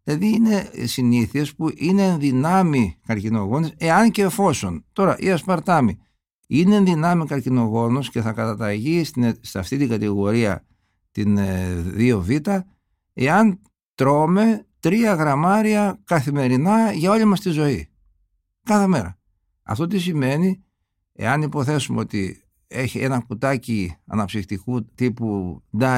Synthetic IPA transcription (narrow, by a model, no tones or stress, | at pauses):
ilɐðiine̞siniθiespuʔineːnðinɐmikɐɾcino̞ɣo̞nise̞ɐnce̞fo̞sont̪o̞ɾɐʔḭɐspɐɾt̪ɐmi | ineːnðinɐmikɐɾcino̞ɣo̞nosce̞θɐkɐt̪ɐt̪ɐʝist̪isɐ̰ft̪it̪iŋɡɐt̪iɣo̞ɾiɐ̰ | t̪inðio̞vit̪ɐ | e̞ɐn | t̪ɾo̞me̞t̪ɾiɐɣɾɐmɐɾiɐkɐθime̞ɾinɐʝɐo̞limɐst̪izo̞i | kɐθe̞me̞ɾɐ̰ | ɐ̰ft̪o̞t̪isime̞ni | ḛɐnipo̞θe̞sumeo̞t̪i | eçie̞nɐkut̪ɐciɐ̰nɐpsixt̪ikut̪ipud̪ɐ